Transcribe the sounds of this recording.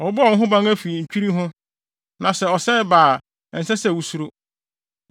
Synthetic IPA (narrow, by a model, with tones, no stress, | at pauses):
ɔ˨˦bʊ̃˦˨˦ɦʊ̃˦bã˦ŋæ˦fi˨ɲ̩˨t͡ɕᶣi˦ɾi˦ɦʊ̃˦ | nã˨sɛ˨ɔ˨sɛ˦baː˨ | n̩˨sɛ˦sɛ˦˨wu˦su˦ɾo˦